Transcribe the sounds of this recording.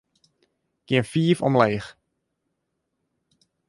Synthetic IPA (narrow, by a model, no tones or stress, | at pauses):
kiənfiːfɔ̰mleːx